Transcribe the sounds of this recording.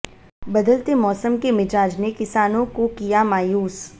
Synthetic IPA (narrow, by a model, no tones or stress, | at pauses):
bɐd̪əlt̪emɔːsəmkemɪd͡ʒaːd͡ʒnekɪsaːnõkokijamaːjuːs